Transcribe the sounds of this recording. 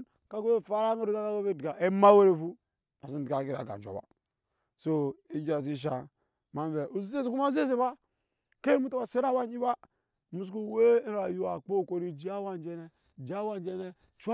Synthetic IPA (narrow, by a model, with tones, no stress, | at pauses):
ka˦ɡo˦e˦˨fa˦ɾa˦me˦ɾu˦za˦ka˦ɡo˦ve˦˨dɡa˨e˦ma˦we˦ɾe˦fu˦ | a˨si˦˨di˨ka˨ki˦ɾa̰˨ɡa̰˨t͡ʃo̰˨ba̰˨ | so˦i˦d͡ʒa˨s̬i˦ʃ̬a˨ | ma˦n˦ve˨o˨zi˦se˦zku˦ma˦ze˦se˦˨ba˦ | ke˦mu˦ta˦ba˨se˦ɾa˦wa˦ɲi˦ba˦˨ | mu˦sku˦˨we˦a˨ju˦a˨k͡po˦˨ko˨ɾi˨d͡ʒi˦a˦wa˦nd͡ʒe˦ne˦˨ | d͡ʒa˦wa˦n˦d͡ʒe˦ne˦ | t͡ʃʷa˦